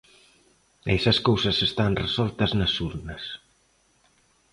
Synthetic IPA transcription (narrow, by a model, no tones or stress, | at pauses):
esɐskowsɐsest̪anresɔlt̪ɐznɐsuɾnɐs